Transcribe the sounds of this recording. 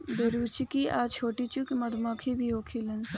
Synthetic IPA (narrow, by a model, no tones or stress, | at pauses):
beɾuːt͡ʃikiʔaːt͡ʃʰoːʈiːt͡ʃukimɐd̪ʱmãːkʰibʱioːkʰilɐns